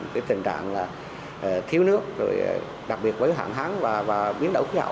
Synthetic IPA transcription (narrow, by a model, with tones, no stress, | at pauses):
kaː˨˦jt̪ï˨˩ŋ̟t͡ɕa̰ː˧˨ŋlaː˨˩˨ | t̪ʰi˧˦əwnɨ˦˥ək̚zo̰˨˩j | ɗa˨˩ɓi˨˩ət̚vəː˨˦jɦa̰ː˧˨nɦaː˨˦ŋvaː˨˩vaː˨˩ɓi˨˦ənɗə˧˩wxi˨˦hə̰˧˨